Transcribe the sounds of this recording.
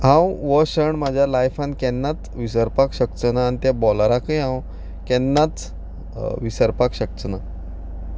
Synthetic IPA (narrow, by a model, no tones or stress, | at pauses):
ɦãwʋəɕəɳmad͡ʑʱjalajfãnkɛnːat͡s̪ʋisəɾpakɕək̚t͡sənaːnit̪jabɔlɾakəjɦãw | kɛnːat͡s | ʋisəɾpakɕək̚t͡səna